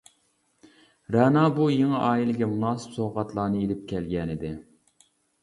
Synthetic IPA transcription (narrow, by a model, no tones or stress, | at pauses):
ɾɛnɑbujeŋɨʔɑːilɪɡʲɛmunɑːsɨ̥psoʁɑt̪lˠɑːnɨelɪp̚kʲʰɛlɡʲɛnɪd̪ɪ